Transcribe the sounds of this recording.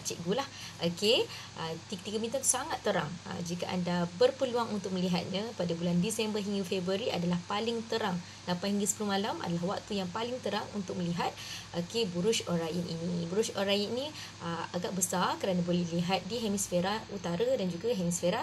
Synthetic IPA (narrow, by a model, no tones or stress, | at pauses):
t͡ʃɛ̰ʔɡulahʔokeʔət̪iɡt̪iɡamĩt̪əmsaŋat̪ːəɾaŋə̰d͡ʒikaʔa̰ndabərpəluaŋunt̪ʊk̚məliɦat̪̚ɲãpadabulandisɛmbərɦiŋɡəfebɾuəɾiʔa̰dalahpalɪŋt̪əɾaŋ | lapanɦiŋɡəsə̥puluhmalamʔa̰dalahwak̚t̪ujaŋpalɪŋt̪əɾaŋṵnt̪ʊk̚məliɦat̪̚ʔokebuɾuʃoɾajənʔḭnibuɾuʃoɾajənĩ | əaɡaʔbəsarkəɾanabolɛhliɦat̪̚diɦemisfeɾaut̪aɾadand͡ʒuɡaɦemisfeɾa